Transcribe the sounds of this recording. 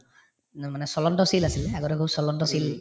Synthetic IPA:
manɛsɔlɔnʈɔsilasilaɡɔɾɛkʰubsɔlɔnʈɔsil

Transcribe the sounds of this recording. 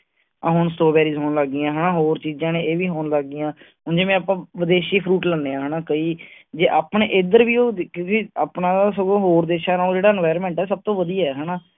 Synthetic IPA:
ãːɦʊɳsʈoːbɛːɾiːzɦoːnləɡːɪjãːɦɛːnaːɦoːɾt͡ʃiːd͡ʒãːnẽːeːʋiːɦoːnləɡːɪjãː | ɦʊnd͡ʒeːmɛ̃ːaːpãːʋəd̪eːʃiːpʰɾuːʈlənːeːãːɦənaːkəiːd͡ʒeːʔaːpɳeːʔɪd̪əɾʋiːoːkjõːkiaːpnãːd̪aːsəɡõːɦoːɾd̪eːʃaːnãːoːd͡ʒeːɽaːɛnʋaːjɾmɛ̃ːɳʈɛːsəb̚t̪õːʋəd̪iːaːɛːɦɛːnaː

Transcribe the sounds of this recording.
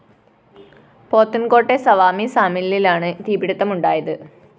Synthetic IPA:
poːt̪ːunko̞ːʈːesɐʋaːmisaːmilililaːɳɨt̪iːbiɽut̪ːɐmuɳɖaːjɐðɨ

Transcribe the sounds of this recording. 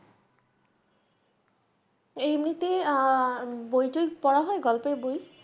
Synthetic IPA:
ejmɾit̪e | bojʈojpɔɽaɦɔeɡɔlpeboj

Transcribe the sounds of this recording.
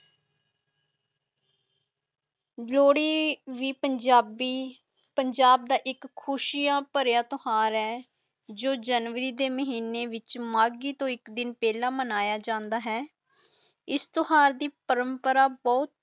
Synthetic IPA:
loːɽiːʋiːpəd͡ʒaːbiː | pəɲd͡ʒaːb̚d̪aːʔɪkʰːʊʃiːãːpəɾjaːt̪ʊhaːɾɦɛː | d͡ʒoːd͡ʒənʋəɾiːd̪eːməɦiːneːʋɪt͡ʃmaːɡiːt̪õːɪkd̪ɪnpɛːlãːmənaːjaːd͡ʒãːnd̪aːɦɛː | ɪst̪ʊhaːɾd̪iːpəɾəmpəɾaːbɔːt̪̚

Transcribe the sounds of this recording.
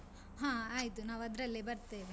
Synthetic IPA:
ɦãːaːjit̪unaːʋɐd̪ɾɐlːibɐɾt̪eːʋe

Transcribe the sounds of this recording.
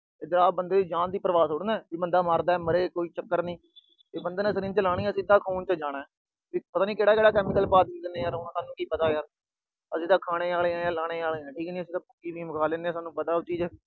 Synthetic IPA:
d͡ʒəɾaːbənd̪eːd͡ʒãːnd̪iːpəɾəʋaːsoːɽnaːʋiːbənd̪aːmaːɾd̪aːɛːməɾeːkoːiːt͡ʃəkːəɾnĩː | t̪eːbənd̪eːnãːsəɾiːnt͡ʃəlaːɽ̃iːɛːsid̪ːaːkʰuːnt͡ʃəd͡ʒaːɽ̃aːɛː | ʋipət̪aːnĩːkeːɽaːkeːɽaːkɛːmɪkəlpaːd̪id̪eːneːjaːɾʊ̃ːsaːnːũːkiːpət̪aːjaːɾ | əsĩːt̪ãːkʰaːɽ̃eːaːleːɛ̃ːãːlaːɽ̃eːaːleːɛ̃ːʈʰiːkniːəsiːt̪ãːpʊkːiːbĩːməkʰaːleːneːɛ̃ːsaːnũːpət̪aːot͡ʃiːd͡ʒɛː

